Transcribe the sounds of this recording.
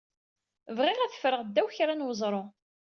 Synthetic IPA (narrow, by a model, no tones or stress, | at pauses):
vʁɪʁæθə̥fɾəʁd̪ːæwçɾænwəzˤɾˤo